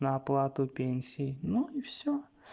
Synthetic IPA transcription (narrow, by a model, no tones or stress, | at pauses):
nɐːplˠat̪ʊpʲenʲsʲijnuifsʲɔ